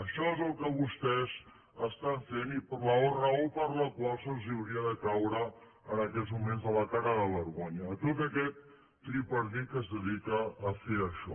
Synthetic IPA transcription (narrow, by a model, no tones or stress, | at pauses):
əʃɔezəlˠkəβust̪ɛz | əst̪aɱfenipləorəopəɾləkwalˠsənziəwɾiəðəkawɾəː | nəkɛzmumenzðələkaɾəðəβəɾɣoɲəːt̪ot̪əkɛt̪̚ː | ɾipəɾðikəzðəðikəːfeəʃɔ̰